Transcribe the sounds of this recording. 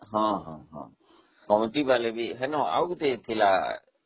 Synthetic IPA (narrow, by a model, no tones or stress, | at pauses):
ɦɔ̃ɦɔ̃ɦɔ̰̃ | kɔmt̪ibalebiɦɛnɔ̃a̰ut̪et̪ʰila